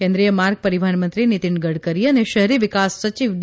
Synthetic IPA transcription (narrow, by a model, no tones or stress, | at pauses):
kẽnd̪ɾijəmaɾɡ̚pəɾiʋbʱaɳmə̃nt̪ɾinit̪iɳɡəɽkəɾiəneʃəɦɾiʋɪkasːət͡ʃiʋ